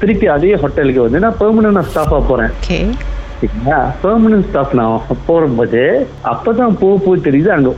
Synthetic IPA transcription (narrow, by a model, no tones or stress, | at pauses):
t̪ɪɾɪpːiɐðeːjɐɦɔʈːɛlɯkːɯʋɐnd̪ɯnãːpɐːɾmɐnɐnnãːsʈaːfaːpoːɾẽːke | iŋɐaːpɐːɾmɐnɐnsʈaːfnãːpːoːɾɐmboːðe | ɐpːoːt̪̬ãːpoːɐpoːt̪ɛɾɪjðɯaŋɡɐ